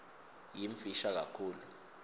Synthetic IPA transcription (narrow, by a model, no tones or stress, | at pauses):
jiɱfiʃak̬akʰuːlu